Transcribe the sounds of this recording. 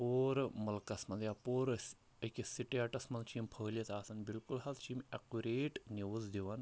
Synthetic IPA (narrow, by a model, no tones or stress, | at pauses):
poːɾmɐlkɐsmɐnd̪japoːɾ | əkʲisiʈiaʈɐsmɐnt͡ʃʰimpʰəːlʲɐt̪aːsɐnbilkulɦɐzt͡ʃʰimɐkuɾeːʈneʋuzd̪iʋɐn